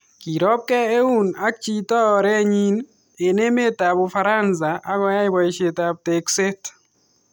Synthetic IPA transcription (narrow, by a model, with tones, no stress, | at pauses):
ki˨ɾɔ˦p̚kɛ˦e˦u˦na˦k̚t͡ʃi˦tɔ˦˨ɾɛ˦ɲi˦n | e˨ne˦me˦ta˨bʊ˨fa˦ɾa˦ns̬a˨ʔa˦ɡɔ˦ja˦ɪ˦ba˨i˨ʃe˨ta˨b̚te˨kse˦t